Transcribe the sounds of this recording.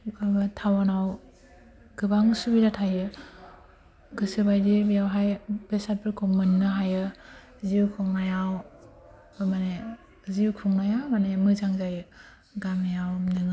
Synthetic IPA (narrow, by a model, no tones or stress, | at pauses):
abɯtʰawanaw | ɡ̥ɯbaŋsubilatʰajɯ | ɡɯsɯbajdebijawɦajbesat̚pʰɯkʰɔŋmɯnːɯɦajɯ | ziwkʰɔŋnajaw | bɯmane | ziwkʰɔŋnajawmanemɯzaŋzajɯ | ɡamejawnɯŋ